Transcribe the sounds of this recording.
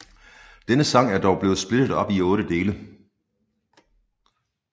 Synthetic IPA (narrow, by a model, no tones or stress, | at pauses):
d̥enəsɑ̈ŋ̰æɐd̥ɒʊb̥le̝ːð̩ˠsb̥le̝d̥ð̩ˠɒ̽b̥iɔ̽ːɾəd̥e̝ːlə